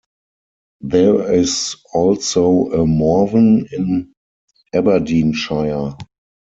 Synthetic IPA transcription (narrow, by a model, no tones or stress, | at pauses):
ðɛɹɪsɔlsoʊəmɔvə̃nɪ̃n | ɛbədĩːnʃaɪə